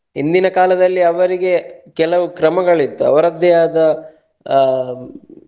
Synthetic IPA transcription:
ɦind̪inɐkaːlɐd̪ɐlːiɐʋɐɾiɡe̞kɛlɐʋukɾɐmɐɡɐɭit̪ːuɐ̰ʋɐɾɐd̪jaːd̪ɐ

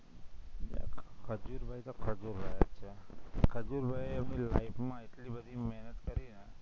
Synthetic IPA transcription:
kkʰəd͡ʒuɾbʱajt̪okʰəd͡ʒuɾbʱajət̪ːʃʰekʰəd͡ʒuɾbʱajəmnila̰ipmãeʈlibəd̪ʱimɛɦnət̪kəɾine

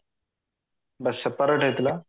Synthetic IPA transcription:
bəsːəpəɾəʈeːt̪laː

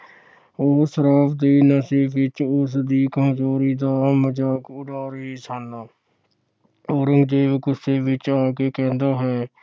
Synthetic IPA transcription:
oːsəɾaːpd̪iːnəseːfɪt͡ʃʊsd̪iːkəɦd͡ʒoːɾiːd̪aːməd͡ʒaːkʊɖaːɾeisʰaːnaː | oːɾə̃ŋɡd͡ʒeːʋkʊseːʋɪt͡ʃaːkeːkɛ̃ːnd̪aːɦɛː

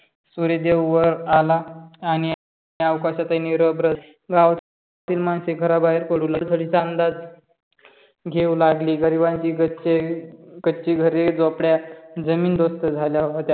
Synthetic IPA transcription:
suɾed̪ewʋəɾalaːñi | awkaɕat̪aniɾəbɾə | ɡãwt͡s | t̪iːlmanseɡʱəɾabaɦiɾkəɽuləlt̪ʰəɽit͡saənd̪ad͡z | ɡʱeulaɡliːɡəɾibaɲt͡ɕiːɡət͡ɕekət͡ɕiːɡʱəɾed͡zopɽjad͡zəmiːnd̪ost̪əd͡zʱaljaɦot̪ja

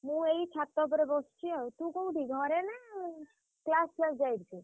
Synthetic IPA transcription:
mũeit͡ʃʰat̪ːɔbəɾebɔst͡ʃʰiet̪ũkouɖʱiɡʱɔɾenɛ | klasləɡd͡ʒaiɾt͡ʃʰi

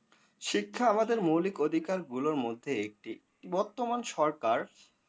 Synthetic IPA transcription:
ʃikʰːaamad̪eɾmowlikod̪ʱikaɾɡuloɾmod̪ʱːeek̚ʈi | bɔɾt̪omanʃɔɾkaɾ

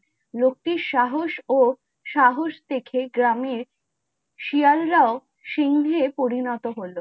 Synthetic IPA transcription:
lok̚ʈiɾʃaɦoʃo | ʃaɦoʃt̪ekʰeɡɾamiɾ | ʃialːao | ʃiŋnepoɾinɔt̪oɦolo

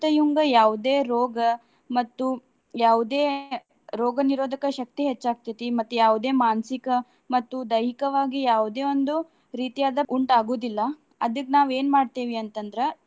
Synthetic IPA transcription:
t̪ɐjuŋɡɐjaːʋud̪e̞ːɾoːɡɐ | mɐt̪ːu | jaːʋud̪e̞ː | ɾoːɡɐniɾoːd̪ʱɐkɐʃɐk̚t̪iɦet͡ʃːaːɡ̚t̪it̪imɐt̪ːujaːʋud̪e̞ːmaːnsikɐ | mɐt̪ːud̪ɐjikɐʋaːɡijaːʋud̪e̞ːond̪u | ɾiːt̪ijaːd̪ɐʔuɳʈaːɡo̞ːd̪ilːɐ | ɐd̪ɐkːnaːʋe̞ːnmaːɖ̚t̪iːʋiɐnt̪ɐnd̪ɐɾe

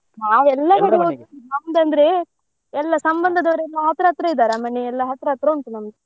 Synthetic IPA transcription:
naːʋɛlːɐkɐɽɐounɐmd̪ɐnd̪ɐɾe | ɛlːɐsɐmbɐnd̪ʱɐd̪ɐʋɐɾɛlːɐɦɐt̪ɾɐɐt̪ɾɐid̪aːɾamɐɳːeɛlːɐɦɐt̪ɾɐɐt̪ɾɐuɳʈ̪unɐmd̪e

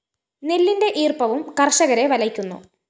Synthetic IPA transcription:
nelːinde̞ʔiːrpɐʋumkɐrʂɐɣɐɾe̞ʋɐlɐkʲːunːṵ

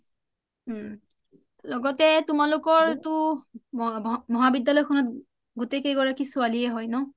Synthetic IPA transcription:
lɔɡɔtɛtumalʊkɔɹtʊ | mɔɦabidːalɔjkʰɔnɔt̚ | ɡutejkejɡɔɹakisʊaliɛɦɔjnɔ

